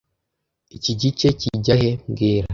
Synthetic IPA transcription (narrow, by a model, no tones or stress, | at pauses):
iciɟit͡ʃe̞ciɟahe̞mɡiːɾa